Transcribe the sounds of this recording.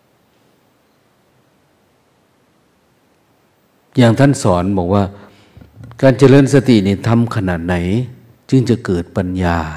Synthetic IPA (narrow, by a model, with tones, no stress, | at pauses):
jaː˧˩ŋt̪ʰa˧˥˨nsɔː˨˦nbɔː˨˦k̚waː˧˩ | kaː˧nt͡ɕa˧lɤː˧˥˨nsa˧t̪i˨˩niː˧˩t̪ʰa˧˥˨mkʰa˧naː˨˩t̪̚na˩˦j | t͡ɕɯ˧ŋt͡ɕa˧˩kɤː˨˩t̪̚pa˧˨njaː˧